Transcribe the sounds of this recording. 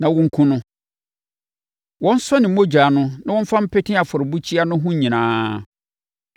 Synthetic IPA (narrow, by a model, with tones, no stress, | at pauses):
nã˨wɔ̃˦ŋ̩˦kʰũ˦nʊ̃˦ | wɔ̃˦n̩˦sɔ˦nɪ̃˨˦mo˦d͡ʑᶣaː˨nʊ̃˦nã˦wɔ̃˦m̩˦fã˦m̩˦pʰɛ˦tʰɪ̃˦a˨fɔ˨ɾbu˦t͡ɕʰi˦a˦nʊ̃˦ɦʊ̃˦ɲĩ˨nãː˨˦